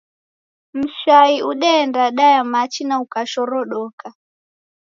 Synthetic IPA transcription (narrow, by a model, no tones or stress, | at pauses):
m̩ʃaiʔuɗɛːndaɗajamat͡ʃinaukaʃɔɾɔɗɔka